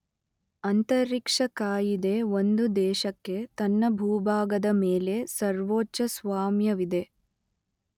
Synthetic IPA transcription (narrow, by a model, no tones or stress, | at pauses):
ɐnt̪ɐɾikʂɐkaːjid̪e̞ʋo̞nd̪ud̪ɛːʃɐkːe̞t̪ɐnːɐbʱuːbʱaːɡɐd̪ɐmeːle̞sɐɾʋoːt͡ʃɐsʋaːmjɐʋid̪e̞